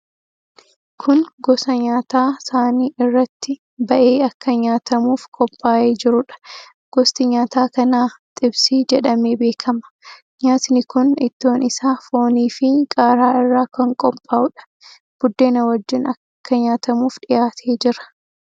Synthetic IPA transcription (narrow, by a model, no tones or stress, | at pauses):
kʰʊnɡɔsɐɲaːt̪aːsaːniːʔɪrːɐt̪ːɪ | bɐʔe̞ːɐkːɐɲaːt̪ʰɐmuːfkʼɔpʼːaːʔeːd͡ʒɪɾʊᶑɐ̥ | ɡ̥ɔst̪ɪɲaːt̪aːkɐnaːt̪ʼɪbsiːd͡ʒɛᶑɐmeːbe̞ːkʰɐmɐ̥ | ɲaːt̪nɪkʊnɪt̪ːo̞ːnɪsaːfo̞ːniːfɪkʼaːɾaːɪrːaːkɐŋkʼɔpʼːaːʔʊᶑɐ̥ | b̥ʊd̪ːe̞ːnɐwɐd͡ʒːɪnɐ | kːɐɲaːt̪ɐmuːfᶑɪjaːt̪ʰe̞ːd͡ʒɪɾɐ̥